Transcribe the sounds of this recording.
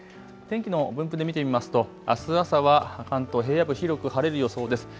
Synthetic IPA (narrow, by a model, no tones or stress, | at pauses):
t̪ẽ̞ŋkʲino̞bɯ̟̃mpɯ̟d̪e̞mʲit̪e̞mʲimasɨ̥t̪o̞ | a̰sɨasaβakãnt̪o̞ɦe̞ːjabɯ̟çiɾʲo̞kɯ̟haɾe̞ɾɯ̟jo̞so̞ːd̪e̞sɨ̥